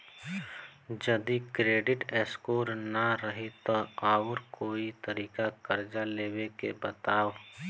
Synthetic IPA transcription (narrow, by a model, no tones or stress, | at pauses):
d͡ʒəd̪ikɾeːɖɪʈɛskoːɾnaɾəɦit̪ɔaːʊɾkoːit̪əɾiːkakəɾd͡ʒaleːwekḛbət̪aːʋ